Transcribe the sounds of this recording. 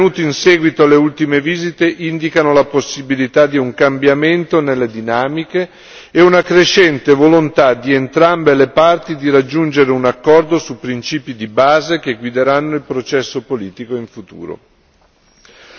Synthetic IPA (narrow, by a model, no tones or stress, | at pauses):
enuːt̪iinsɛːɡwit̪oaleult̪imeviːzit̪eʔind̪ikanolaposːibilit̪ad̪iuŋkambjament̪onelːed̪inaːmikeː | unakɾeʃːɛnt̪evolont̪ad̪ient̪ɾambelepart̪id̪iɾad͡ʒːund͡ʒeɾeunakːɔrd̪osupːɾint͡ʃiːpid̪ibaːzekeɡwid̪eɾanːoilpɾot͡ʃɛsːopoliːt̪ikoiɱfut̪ṵːɾo̰